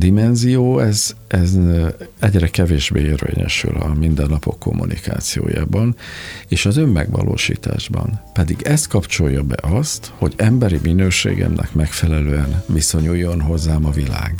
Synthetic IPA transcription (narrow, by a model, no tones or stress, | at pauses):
d̪imɛnzijoːɛzʔɛzɛɟrɛkɛveːʒbeːerveːɲɛ̰ʃy̰lɒmind̪ɛnːɒpo̞kːo̞mːunika̰ːt̪sijo̰ːjaːbɒneːʃɒzø̞mːɛɡʋɒlʔoːʃiːt̪aːʒbɒnpɛd̪iɡɛst̪kɒpt͡ʃo̞jːɒbɛʔɒst̪ho̞ɟɛmbɛɾiminøːʃḛːɡɛmnɛkmɛkfɛlɛløːɛnviso̞ɲuːjːo̞nɦo̞zːaːmɒvilaːɡ